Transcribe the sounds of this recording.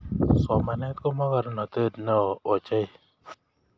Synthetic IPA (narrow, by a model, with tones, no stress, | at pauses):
sɔ˨ma˨nɛ˦t̪kɔ˦mɔ˦ka˨ɾnɔ˨t̪ə˦˨d̪nɔː˨t͡ʃe˦j